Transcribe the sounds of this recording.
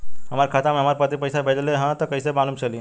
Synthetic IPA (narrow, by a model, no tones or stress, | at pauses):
ɦəmaɾkʰaːt̪amẽɦəmaɾpət̪ipəjsabʱed͡ʒleɦãt̪ɔkəɪsebanumt͡ʃʰəli